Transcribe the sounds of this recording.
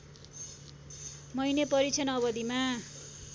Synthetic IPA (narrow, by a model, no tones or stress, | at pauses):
mʌjnepʌɾit͡sʰʌnʌβʌd̪ima